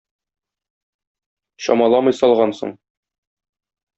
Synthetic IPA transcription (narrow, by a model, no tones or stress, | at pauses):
ɕɒ̰mɑlˠɑmɤjsɒlˠʁɑnsɤ̰ɴ